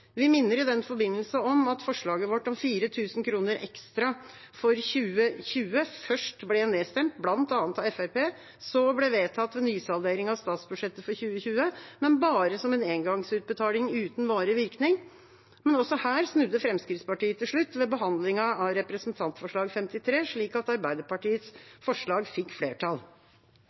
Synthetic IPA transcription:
ʋɪmɪnːəɾɪd̪ɛnfɔɾbɪnːəlsɑɔmɑt̪fɔʂɭɑːɡəʋɔʈːɔmfiːɾət̪ʰʉːsn̩kʰɾuːnəɾʔɛ̰kst̪ɾɑ | fɔɾçʉːəçʉːəfœʂʈblɛɛneːst̪ɛmt̪blɑnt̪ɑːnt̪ɑɛfæɾpeː | sɔblɛʋeːt̪ʰɑt̪ːʋɛnyːsɑlˠd̪eːɾɪŋɑʋst̪ɑːt̪sbʉʂɛt̪ːəfɔɾçʉːəçʉːəmɛnbɑːɾəsɔmɛneːŋɡɑŋsʉːt̪̚bət̪ʰɑːlɪŋʉːt̪n̩ʋɑːɾəʋɪɾknɪŋ | mɛnɔsɔhæːɾsnʉd̪ːəfɾɛmskɾɪt̪spɑʈiːət̪ʰɪlʂɭʉt̪ːʋɛbəɦɑnd̪lɪŋɑɑɾɛpɾəsnt̪ʰɑnt̪fɔʂɭɑːɡfɛmt̪ɪt̪ʰɾeːʂɭiːkɑt̪ɑɾbæɪd̪əpɑʈiːət̪sfɔʂɭɑːɡfɪkːflḛːʈʰɑl

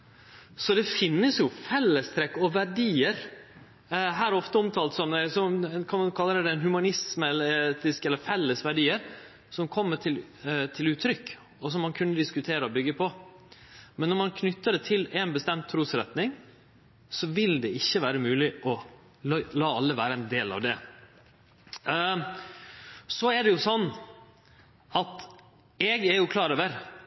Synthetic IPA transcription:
sɔd̪ɛfɪnːəsjʊfɛlːəst̪ʰɾɛkːɔʋæɖiːəɾ | ɦæːɾɾɔft̪əɔmt̪ʰɑːlt̪sɔmd̪ɛsɔmkʰɑnɑnkʰɑlːəɾəd̪ɛnhʉmɑnɪsməɛlet̪ɪskɛlːəɾfɛlːəsʋæɖiːəɾ | sɔmkʰɔmːəʈʰɪlt̪ʰɪlʉːt̪ʰɾʏkː | ɔs̬ɔmːɑnkʰʉnːəd̪ɪskʉt̪ʰeːɾəɔbʏɡːəpʰɔ | mɛnːɔɾmɑnkʰnʏt̪ːəɖ̪ɛt̪ʰɪlɛnbəst̪ɛmt̪ʰːɾuːsɾɛt̪nɪŋ | sɔʋɪld̪ɛɪçːəʋæːɾəmʉːlɪʔɔ | lɑːɑlːəʋæːɾəɛnd̪eːlɑ̰ʋd̪ɛ | sɔɛɖɛjʊsɔnː | ɑt̪ | ɛɡɛɾjʊkʰlɑːɾøːʋəɾ

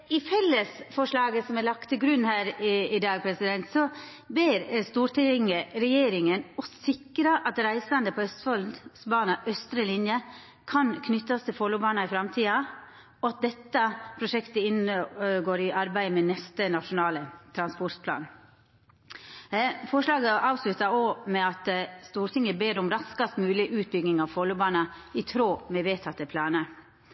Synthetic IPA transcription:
ɪfɛlːəsfɔʂɭɑːɡəsɔmælɑk̚t̪ʰːɪlɡɾʉnhæːɾɪd̪ɑːɡ̚pʰɾɛsɪd̪ɛnt̪sɔ | bɪɾst̪uːɾʈʰɛŋəɾɛjeːɾɪŋənɔsɪkːɾɑʔɑt̪ɾæɪsɑnd̪əpʰɔœst̪fɔlsbɑːnɑʔœst̪ɾəlɪnjə | kʰɑnkʰnʏt̪ːɑst̪ʰɪlfɔlʊbɑːnɑɪfɾɑmt̪ʰiːɑ | ɔɑt̪̚d̪ɛt̪ːɑpʰɾʊʂɛkt̪əɪnəɡoːɾɪʔɑɾbæɪmɛnɛst̪ənɑʂʊnɑːlət̪ʰɾɑnspɔɾʈ̪pʰlɑ̰ːn | fɔʂlɑːɡəʔɑːʋslʉt̪ɑoːmɛɑt̪st̪uːɾt̪ɪŋːəbeːɾɔmɾɑskɑst̪mʉːlɪʔʉːt̪̚bʏɡnɪŋɑʋfɔlːʊbɑːnɑɪt̪ʰɾoːmɛʋeːt̪ʰɑt̪ːəpʰlɑːnə

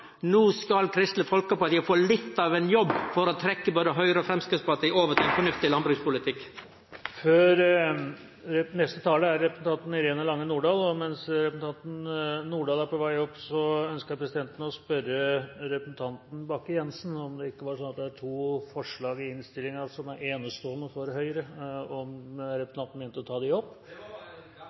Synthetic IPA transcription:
nuːskɑlkʰɾɪst̪ləfɔlkəpɑt̪ʰjiəfoːɭɪt̪ːɑʋɛnjɔbːfɔɾɔt̪ʰɾɛkːəboːd̪əɦœʏɾəɔfɾɛmskɪspɑt̪ioːʋət̪ʰɪɛnfɔɳʉft̪ɪlɑnbɾʉːspʊlɪt̪ʰɪkː | føːɾ | ɛnɛst̪ət̪ʰɑːləæɾɛpɾɛsn̩t̪ʰɑnt̪n̩ɪɾeːnəlɑŋːənuːɖɑːlɔmɛnsɾɛpsn̩t̪ɑnt̪n̩nuːɖɑːlæɾpʰɔʋæɪɔpːsɔœnskəɾpʰɾɛsɪd̪ɛnt̪ən̩ɔspœɾəɾɛpɾəsn̩t̪ʰɑnt̪n̩bɑkːəjɛnsn̩ɔmd̪ɛɪkːəʋɑʂɔnːɑt̪̚d̪ɛæʈʰuːfɔʂɭɑːɡɪɪnst̪ɪlːɪŋɑsɔmæɾeːnəst̪oːnːəfɔɾɦœʏɾəɔmɾɛpɾsn̩ɑnt̪n̩mɛːnt̪əɔt̪ʰɑːd̪ɪɔpː

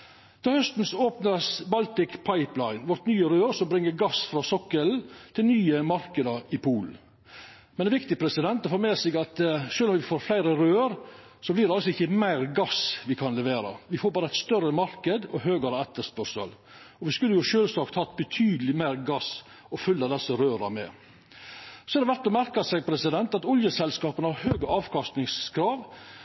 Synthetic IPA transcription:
d̪̥ɑːhœst̪n̩sɔoːpnəsbɑlt̪ɪkpʰɑɪplɑɪnʋɔɾʈ̪nyːəɾøːɾsɔmbɾɪŋːəɾɡɑsfɾɑsɔkːəlt̪ʰɪlnyːəmɑɾkəd̪ɑɾɪpʰuːl | mɛnɛʋɪkt̪ɪpʰɾɛsɪd̪ɛnt̪ɔfoːɾmeːsɪɡɑt̪ʃøːlɔmʋɪfoːɾflæɪɾəɾøːəɾ | sɔblɪːɾɖɛɑlsɔɪçəmæɪɾɡɑsʋɪkʰɑnlɛʋeːɾɑ̰ʋɪfoːɾbɑːɾəæɪt̪st̪œɾəmɑɾkəd̪ɔɦøːɡəɾəɛt̪ːəspœɾʂə̰l | ɔʋɪskʉlːəjʊʃøːlsɑːkt̪hɑːt̪̚bət̪ʰyːd̪əlɪmæɪɾɡɑs | ɔfʉlːɑd̪ɛsːəɾøːɾɑmɛ̰ | sɔɛɾd̪ɛʋæɾt̪ːɔmæɾkəsɛɡ̚pʰɾɛsɪd̪ɛnt̪ɑt̪ɔljəsɛlskɑːpənəhɑɾhøːɡəɑːʋkʰɑst̪nɪŋskʰɾɑːʋ

